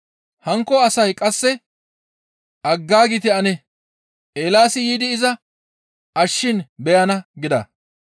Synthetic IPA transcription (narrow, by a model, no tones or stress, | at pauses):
hɐŋkːɔɐsɐjkʼɐsːɛ | ʔɐɡːaːɡɪt̪ɪɐnɛ | ʔeːlaːsɪjiːd̪ɪːzɐ | ʔɐʃːɪnbɛjɐnɐɡɪd̪ɐ̰